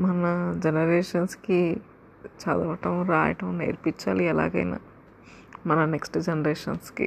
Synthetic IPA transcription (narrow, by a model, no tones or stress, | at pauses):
mɐnɐd͡ʒenɐɾeːʂɐnski | t͡ʃaːd̪ɐʋɐʈɐmɾaːjɐ̰ʈɐmnḛːɾpiɲt͡ʃaːliɛla̰ːɡɐ̰jna̰ː | mɐnɐneksʈd͡ʒenɐɾeːʂɐnskḭ